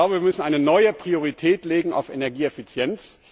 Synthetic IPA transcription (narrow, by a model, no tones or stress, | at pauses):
laʊbəviːɐmʏsn̩ʔaɪnənɔʏəpʁ̥ioʁ̞itʰɛːtleːɡŋ̩a̰ʊfenɛɐɡiːɛfit͡sjɛnt͡s